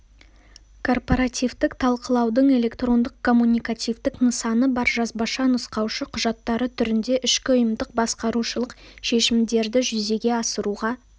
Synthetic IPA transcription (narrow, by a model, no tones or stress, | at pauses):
kʰo̞rpoɾat̪ijvt̪ɪkt̪ʰɑlˠqəlˠɑwd̪əɴe̞lʲe̞kt̪ro̞nd̪əqkʰo̞mːunʲijkat̪ʲijvt̪ɪknəsɑnəbɑɾʒɑzbɑʃɑnʊsqɑwʃəqʰʊʒɑt̪ːɑɾət̪ʰʏɾɪnd̪e̞ʔʏʃkʲɪʊjəmd̪əq̚bɑsqɑɾuʃəlˠəqʃe̞ʃɪmd̪e̞ɾd̪ɪʒʏze̞ɡʲe̞ɑsəɾuʁɑ